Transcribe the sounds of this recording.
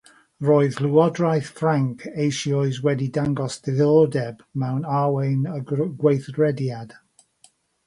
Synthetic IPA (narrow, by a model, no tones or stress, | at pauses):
roːɨðlˠuɔdrajθfraŋkʰejʃiɔɨzwɛdidaŋɡɔsd̥ɛðɔdɛbmɛwnawejnəɡwejθɡɹɛdjad̥